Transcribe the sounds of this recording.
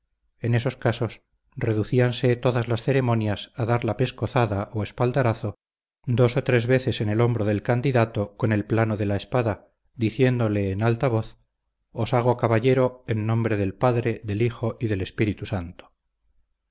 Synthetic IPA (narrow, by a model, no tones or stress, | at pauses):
e̞ne̞so̞skaso̞s | re̞ðuθianse̞t̪o̞ðazlasθe̞ɾe̞mo̞njasaðaɾlape̞sko̞θaðaʔoespald̪aɾaθo̞ | d̪o̞so̞t̪ɾe̞zβe̞θe̞se̞nelo̞mbɾoðe̞lkand̪iðat̪o̞ko̞ne̞lplanoðe̞laespaða | d̪iθje̞nd̪o̞le̞ːnalt̪aβ̞oθ | osaɣ̞okaβaʎe̞ɾo̞enːõ̞mbɾe̞ðe̞lpaðɾe̞ðe̞lixo̞ʔiðe̞le̞spiɾit̪usant̪o̥